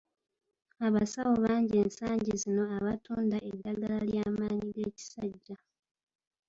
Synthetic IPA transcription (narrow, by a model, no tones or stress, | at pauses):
aβasawo̞βaːɲɟe̞ːnsaːɲɟizino̞aβatuːndaʔedːaɡalaljaːmaːniɡe̞ːci̥saɟːa